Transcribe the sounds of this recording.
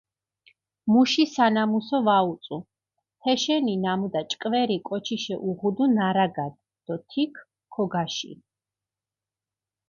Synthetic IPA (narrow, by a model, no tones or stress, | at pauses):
muʃisanamusɔvaut̪sʼu | hʰɛʃɛninamud̪at͡ʃʼkʼvɛɾikʼɔt͡ʃʰiʃɛʔuʁud̪unaɾaɡad̪ | d̪̥ɔt̪ʰikʰː | ɔɡaʃḭ